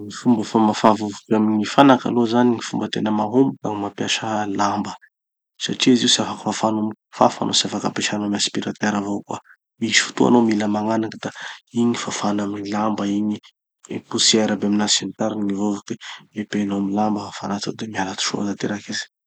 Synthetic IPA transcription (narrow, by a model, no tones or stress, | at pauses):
ifumbəfamafavovukamiŋifanaka̰lozaniŋifumbət̪enəmaɦombuk̪aŋimapjaʃəlambə | saʈ͡ʂiziusafakə̥fafanumi | fa̰fa̰nʔosiafakapeʃanamaspiɾat̪eɾavokwa̰ | miʃfu̥t̪ua̰nomiləmaŋanakəd̪̥aiɲifafanamiilambəiɲi | pusieɾabeaminasanit̪aɾinimivovukeepenomilambəfa̰nat͡sad̪emialat̪u̥ʃo̰at̪at̪eɾakizi̥